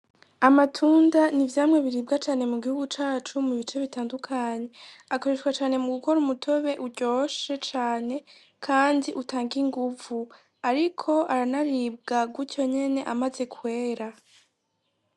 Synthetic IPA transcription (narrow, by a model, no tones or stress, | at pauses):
amatʰuːndanivjaːmŋe̞βiɾiːbɡat͡ʃaːne̞muɡihuɡut͡ʃaːt͡ʃumuβit͡ʃe̞βitaːndukʰaɲe̞ako̞ɾe̞ʃkwat͡ʃaːne̞muɡuko̞ɾumutʰo̞βe̞ʔuɾɟo̞ʃe̞t͡ʃaːne̞ | kʰaːndiʔutaːŋɡiŋɡuvu | aɾikʰo̞ʔaɾanaɾiːb̚ɡaɡwuco̞ɲe̞ne̞ʔamaze̞kʰwe̞ːɾa